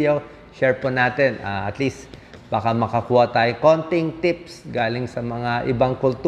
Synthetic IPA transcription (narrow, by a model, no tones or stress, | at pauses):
jo | ʃɛɹponaːt̪ɛnaʔɐt̪list̪b̥aːkɐmɐkɐkuːhɐt̪aːjoŋko̞nt̪ɪŋt̪ɪp̚sɡaːlɪŋsɐmɐŋaʔɪbɐŋkʊlt̪